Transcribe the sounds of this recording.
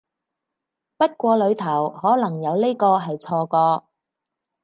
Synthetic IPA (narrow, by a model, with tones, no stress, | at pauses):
pɐ˥t̚kʷɔː˧lɵ˨˧ɥt̪ʰɐ˨˩whɔː˨˥lɐ˨˩ŋjɐ˨˧wle˥kɔː˧ɦɐ˨jt͡sʰɔː˧kɔː˧